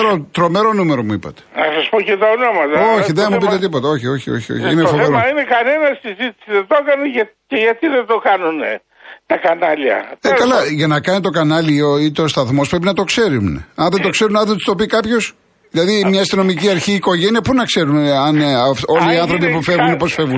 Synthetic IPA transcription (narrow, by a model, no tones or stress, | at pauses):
ɾot̪ɾo̞meɾo̞nume̞ɾomuipɐ̰t̪e̥nɐsɐspocet̪ɐonomɐt̪ɐoçiðeɐmupit̪et̪ipot̪ɐo̞çio̞çio̞̰çio̰çiinefoeɾomɐinekɐne̞nɐssizit̪i̥siðent̪o̞kɐneʝɐceʝɐt̪iðend̪o̞kɐnune | t̪ɐkɐnɐliɐ̰ekɐlɐʝɐnɐkɐnit̪o̞kɐnɐlioit̪o̞st̪ɐθmo̞spɾep̬inɐt̪okse̞ɾunɐnðet̪o̞kse̞ɾunɐnðet̪st̪o̞pikɐpço̞s | ðilɐðimɲɐest̪ino̞miciɐɾçiːko̞ʝe̞niɐpunɐkse̞ɾunɐnfo̞liiɐnθɾo̞p̬ipufe̞ɣuneposfe̞vun